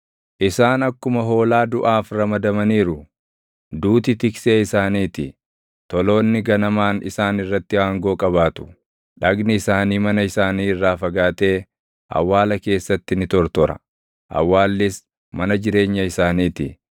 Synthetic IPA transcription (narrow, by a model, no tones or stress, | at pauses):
ʔɪsaːnɐkːʊmɐɦo̞ːlaːd̪ʊʔaːfɾɐmɐd̪ɐmɐniːɾʊ | d̪uːt̪ɪt̪ɪkse̞ːɪsaːniːt̪ɪ | t̪ɔlo̞ːnːɪɡɐnɐmaːnɪ̰saːnɪrːɐt̪ːɪhaːŋɡo̞ːkʼɐbaːt̪ʊ̥ | ᶑɐɡnɪɪsaːniːmɐnɐɪsaːniːɪrːaːfɐɡaːt̪e̞ː | ʔɐ̰wːaːlɐke̞ːsːɐt̪ːɪnɪt̪ɔɾt̪ɔɾɐ̰ | ʔɐ̰wːaːlːɪs | mɐnɐd͡ʒɪɾe̞ːɲːɐɪsaːniːt̪ɪ